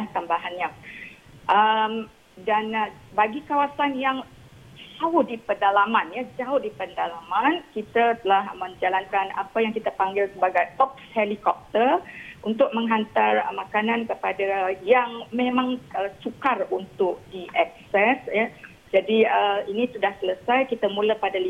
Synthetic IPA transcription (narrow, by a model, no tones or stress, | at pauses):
laht̪ambaɦanɲa | ʔəm | danbaɡikawasanjaŋ | d͡ʒaʊhdipərndalamanjad͡ʒaʊhdipəndalamankit̪at̪əlahmə̃ɲd͡ʒalankana̰pajaŋkit̪apaŋɡɪlsəbaɡajʔɔp̚shelikɔp̚t̪ərunt̪ʊk̚mə̃ŋɦant̪armakanãnkəpadajaŋmẽmãŋəsukarunt̪ʊk̚diʔɛk̚sɛsja | d͡ʒadiəinĩsudahsələsajkit̪amũlapadali